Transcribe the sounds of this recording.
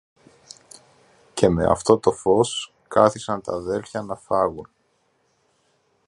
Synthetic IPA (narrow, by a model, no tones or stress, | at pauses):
ce̞me̞̰ɐ̰ft̪o̞t̪o̞fo̞s | kɐθisɐnt̪ɐðe̞lçɐnɐfɐɣun